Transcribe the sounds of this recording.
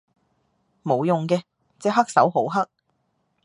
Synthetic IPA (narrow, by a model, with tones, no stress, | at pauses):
mo˨˧wjʊ˨ŋkɛː˧ | t͡sɛː˨˧ɦɐ˥k̚sɐ˨˥wɦo˨˥wɦɐ˥k̚